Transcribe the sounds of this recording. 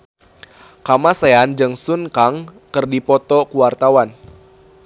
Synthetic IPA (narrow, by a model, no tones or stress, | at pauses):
kamaseand͡ʒɨŋsunkaŋ | kɨrdipɔt̪ɔkuwart̪awan